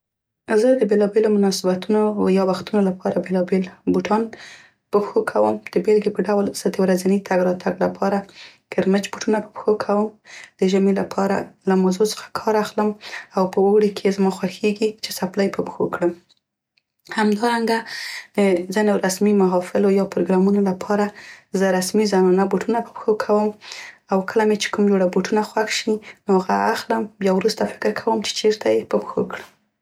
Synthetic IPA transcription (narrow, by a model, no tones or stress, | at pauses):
zəd̪əbelɑbelomʊnɑsɪbat̪unojɑwaxt̪unolapʰɑɾabelɑbelbuʈʰɑn | pəxokʰawəmd̪̥əbelɡepəɖawlsəd̪əwɾazanit̪ʰaɡɾɑt̪ʰaɡlapʰɑɾakɪɾmət͡ʃbuʈunapə̥pə̥xokʰawəmd̪̥əʒamelapʰɑɾa̰lamawzot͡sə̥xḁkʰɑɾaxləmawpəowɽikʰezmɑxwaxeɡit͡ʃe̥saplajpəpəxokɽəm | hamd̪ɑɾaŋɡad̪əzinoɾasmimaɦɑfɪlojɑpɾoɡɾɑmunolapʰɑɾazəɾasmizanɑnaboʈunapə̥pxokʰawəmawkʰəlamet͡ʃe̥kumd͡ʒoɽaboʈunaxwaxʃinohaɣaaxləmbjɑwɾust̪afɪ̥kɾkʰawəmt͡ʃe̥t͡ʃeɾt̪ʰajepəpəxo̰kɽə